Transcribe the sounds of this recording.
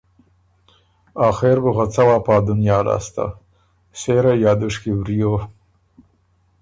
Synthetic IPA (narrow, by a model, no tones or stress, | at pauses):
ɑːxeɾbuɣat͡sawaːpɑːd̪ʊnjɑːlɑ̰st̪a̰ | seɾajɑːd̪ʊʂkiwɾijo